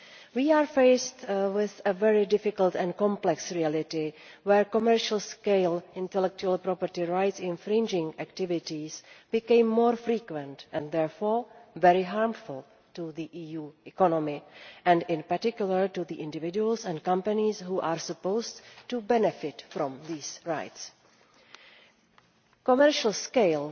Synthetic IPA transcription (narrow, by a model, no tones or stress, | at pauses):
wiːaːɹfeɪstwɪθəvɛɹɪdɪfɪkəltɛ̃nkɔ̃mplɛksɹiælɪtɪwɛɹkomɛɹʃəl̩ˠskeɪlɪ̃ntɛlɛk̚t͡ʃuəlpɾɔpəɾtɪɹajtsɪ̃nfɾɪ̃nd͡ʒɪ̃ŋæktɪvɪtisb̥ɪkẽɪmːoːɹfɾiːkwɛ̃ntʔɛ̃nðɛɹfoːɹvɛɹɪɦaːɹmfʊl | tuðiʔiːjuːɛkɔnɔmɪʔɛ̃ndɪ̃npaɹtɪkjuləɹtuðiʔɪ̃ndɪvɪd͡ʒuəlsɛ̃ntkãmpanisɦuːʔaːɹsupoʊstːubɛnɛfɪtfɾɔ̃mðiːsɹa̰jts | komɛɹʃəl̩skeɪl